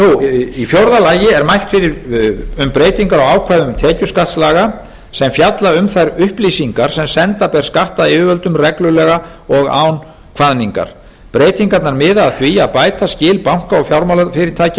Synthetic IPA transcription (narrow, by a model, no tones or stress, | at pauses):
nuifjowɾðalaːjɪɛɾmajl̥t̪fɪɾɪɾʏmpɾeːjt̪iŋkaɾaɣaːwkʰvajðʏmt̪ʰɛːcʏskaht̪slaːɣa | sɛmfjat̪laʏmθajɾʏhplisiŋkaɾ̥sɛmsɛnt̪apɛɾ̥skaht̪aðɪːvɪvœlt̪ʏmrɛklʏlɛɣa | ɔɣa̰ːwn | kʰv̥aðniŋka̰ɾ̥ | pɾeːjt̪iŋkat̪naɾmɪðaðθviaðpaːjt̪ascɪːlpawŋ̥kaɔɣfjawɾmawlafɪɾɪɾ̥t̪ʰaːjc